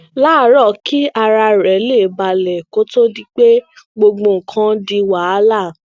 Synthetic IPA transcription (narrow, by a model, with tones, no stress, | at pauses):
la˦ɾɔ˦˨ki˦ʔa˧ɾa˧ɾɛ˨˦le˦˨ba˨lɛ˨ko˦to˦di˦k͡pe˦ | ɡ͡bo˧ɡ͡bõ˧˨ŋ̩˨kʰã˦di˧wa˨˦la˦˨